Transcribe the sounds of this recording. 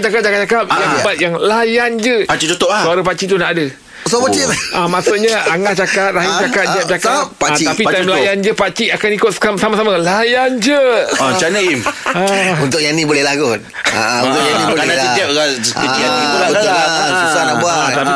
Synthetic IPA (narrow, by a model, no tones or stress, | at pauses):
t͡ʃakat̪̚t͡ʃakat̪̚t͡ʃakap̚jabat̪̚jaŋlajand͡ʒəpat͡ʃit͡ʃot̪ɔʔasuaɾapat͡ʃit̪unaʔadə | sobat͡ʃiamãsuʔɲaaŋat͡ʃakat̪̚ɾaɦit͡ʃakat̪̚diap̚t͡ʃakaatiapit̪amlajand͡ʒəpat͡ʃiakanikʊt̪̚sə̥kamsamasamãlajand͡ʒəat͡ʃanəimaunt̪ʊkjanĩbolɛlaɡʊn̚ | a̰unt̪ʊkjanilanaiiap̚ɣakəijanĩulaaasanabuat̪api